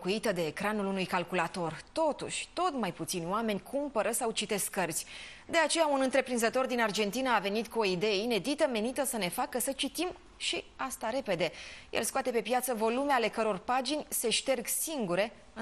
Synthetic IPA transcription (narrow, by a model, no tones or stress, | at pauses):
kuit̪əd̪e̞ːkɾanulunujkalkulat̪o̞rt̪o̞t̪ṵʃʲt̪o̞t̪majput̪sinʲoame̞nʲkʰumpəɾəsawt͡ʃit̪e̞skːərzʲ | d̪e̞at͡ʃe̞jaunɨnt̪ɾe̞pɾinzət̪o̞rd̪inard͡ʒe̞nt̪inəave̞nit̪kuo̞id̪e̞jeine̞d̪it̪əme̞nit̪əsəne̞fakəsət͡ʃit̪im | ʃiast̪aɾe̞pe̞d̪e̞jḛlskoat̪e̞pe̞pjat̪səvo̞lume̞ale̞kəɾo̞rpad͡ʒinʲse̞ʃt̪e̞rɡsiŋɡuɾe̞